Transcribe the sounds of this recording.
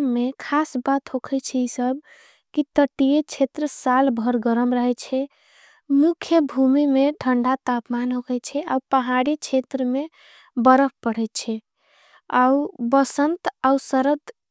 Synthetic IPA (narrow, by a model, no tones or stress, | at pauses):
mekʰasbat̪ɦokʰɛt͡ʃʰɛisəb̚ | kit̪əʈijet͡ʃʰet̪ɾəsalbʱəɾɡəɾəmɾəɦɛt͡ʃʰɛ | mukʰjəbʱumimeʈʰəɳɖat̪apmanɦoɡɛt͡ʃʰɛaupəɦaɽit͡ʃʰet̪ɾəme | bəɾəp̚pəɽ̤ɛt͡ʃʰɛ | aubəsənt̪ausəɾət̪